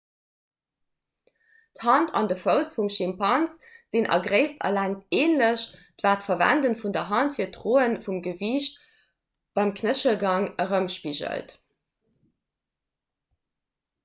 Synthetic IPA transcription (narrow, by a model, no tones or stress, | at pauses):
thɑntʰɑ̰ndəfəʊsfumʃimpʰɑnsz̥inʔɑ̰ɡʁəɪstʰɐ̰læŋtʰeːnləɕdvaːtfɐvæ̰ndənfundɐɦɑntfiːɐtʁoːənfumɡəviːʃt̚ | b̥ɑɪmkʰnəʃəlɡɑŋəʁəmʃpiʒə̰lt